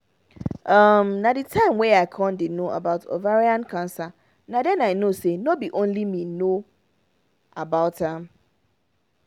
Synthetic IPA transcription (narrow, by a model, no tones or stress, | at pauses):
ʔamnãdɪtʰãɪ̃mwɛaɪkʰɔ̃ndɪnoʔa̰baʊtʰo̰vaɹiãnkʰãnsa | nãdɛ̃naɪnosenobiʔõnlimĩno | abaʊtãm